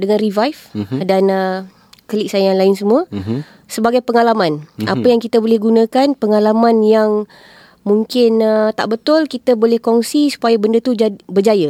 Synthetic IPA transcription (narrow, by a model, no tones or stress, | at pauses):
dəŋanrivajfdanə | kəlɪk̚sajaŋlaɪnsəmũə | səbaɡajpəŋalamãnʔa̰pəjaŋkit̪əbolɛhɡunãkanpəŋalamãnjaŋ | mũŋkɪnət̪a̰ʔbət̪ʊlkit̪əbolɛhkɔŋsisu̥pajabəndət̪ud͡ʒabərd͡ʒajə